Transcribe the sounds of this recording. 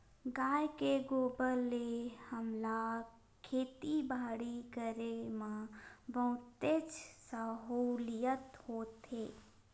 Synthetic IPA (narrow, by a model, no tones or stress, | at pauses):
ɡaːjkeɡoːbəlːehəmla | kʰeːt̪ibaːɽikəɾemãbəʊ̃t̪ed͡ʒsəɦulijət̪hoːt̪eː